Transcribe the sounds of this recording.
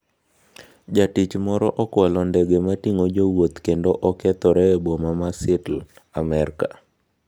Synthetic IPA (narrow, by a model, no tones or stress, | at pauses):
d͡ʒatit͡ʃmɔɾɔʔɔkwɛlɔndɛɡematiŋod͡ʒowot̪kendoʔɔkɛt̪ɔɾɛbomamasɪtlamɛɾka